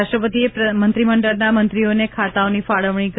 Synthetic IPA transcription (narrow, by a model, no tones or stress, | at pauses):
aʃʈɾəpət̪iepmənt̪ɾiməɳɖəɾnamənt̪ɾionekʰat̪aonifaɭəʋɳ̃ik